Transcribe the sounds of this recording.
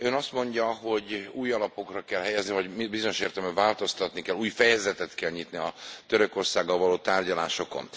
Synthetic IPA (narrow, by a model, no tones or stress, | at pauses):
ønɒst̪mo̞ɲɟɒɦo̞ɟuːjɒlɒpo̞krɒkɛlɦɛjɛznivɒɟmibizo̞ɲo̞ʃeːrt̪ɛlmɛvaːlt̪o̞st̪ɒt̪nikɛluːjfɛjɛzɛt̪ɛt̪kɛlɲit̪niɒt̪øɾøko̞rsaːɡːɒlvɒloːt̪aːrɟɒlaːʃo̞ko̞̰n